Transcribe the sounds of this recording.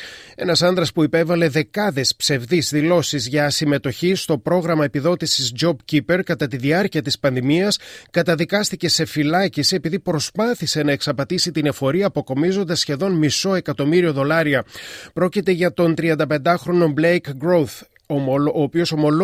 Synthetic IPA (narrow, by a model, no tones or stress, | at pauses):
e̞nɐsɐnd̪ɾɐspuipe̞vɐle̞ðe̞kɐðe̞spse̞vðizðilo̞sizʝɐsime̞t̪o̞çist̪o̞pɾo̞ɣɾɐmɐepiðo̞t̪isizd͡ʒo̞bcipe̞ɾkɐt̪ɐt̪iðiɐɾciɐt̪ispɐnðimiɐskɐt̪ɐðikɐst̪ice̞se̞filɐcisie̞piðipɾo̞spɐθise̞nɐe̞ksɐpɐt̪isit̪ine̞fo̞ɾiɐːpo̞ko̞mizo̞nd̪ɐsçe̞ðo̞nmiso̞e̞kɐt̪o̞miɾio̞ðo̞lɐɾiɐpɾo̞cit̪e̞ʝɐt̪o̞nt̪ɾiɐnd̪ɐpe̞nd̪ɐxɾo̞no̞blejkɡɾoθ | ooːpio̞so̞mo̞l